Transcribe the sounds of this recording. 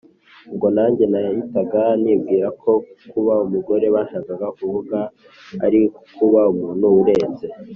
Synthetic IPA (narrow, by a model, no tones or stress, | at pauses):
ŋɡo̞naːɲɟe̞najajitaɡanib̚ɡiːɾakʰo̞kuβaumuɡo̞ɾe̞βaʃaːɡaɡakuvuɡa | a̰ɾikuβaumuːnuwuɾe̞ːnze̞